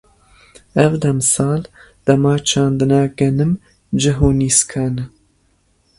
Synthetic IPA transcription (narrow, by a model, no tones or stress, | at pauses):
ɛvd̪ɛmsɑːl | d̪̥ɐmɑːt͡ʃʰɑːnd̪ɨnɑːɡɛnɨm | d͡ʒɨɦoːniːskʰaːnɨ